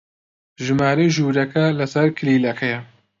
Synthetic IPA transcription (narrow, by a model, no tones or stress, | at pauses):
ʒɨmaːɾejʒuːɾɐkʰɐlɐsɐɾkʰɨliːlɐkʰɐjɛ